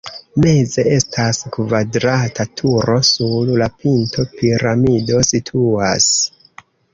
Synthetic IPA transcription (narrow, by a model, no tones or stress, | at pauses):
me̞ze̞e̞stʰaskvadɾatʰatʰuɾo̞sullapinto̞piɾamido̞sitʰuas